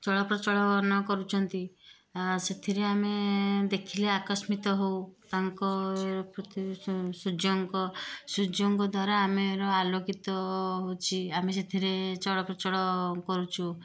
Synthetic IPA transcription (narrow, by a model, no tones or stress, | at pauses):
t͡ʃɔɽɔpɾɔt͡ʃɔɽɔnɔkɔɾut͡ʃʰɔnt̪i | set̪ʰiɾeamed̪ekʰileakɔsmit̪ɔɦowt̪aŋkɔeɾɔpɾɔt̪isud͡ʒoŋkɔsud͡ʒoŋkɔd̪ʱwaɾaameɾɔalokit̪ɔɦot͡ʃʰiames̬et̪ʰiɾet͡ʃɔɽɔpɾɔt͡ʃɔɽɔkɔɾut͡ʃʰu